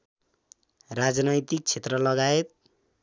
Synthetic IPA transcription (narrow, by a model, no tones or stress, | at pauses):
rad͡znʌjt̪ik̚t͡sʰet̪rʌlʌɡaet̪̚